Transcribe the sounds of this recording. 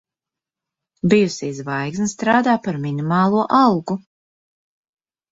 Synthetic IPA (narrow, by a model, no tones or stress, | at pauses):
bijusisvajksnst̪ɾaːd̪aːpaɾminimɑːlˠuɔʔɑlˠɡu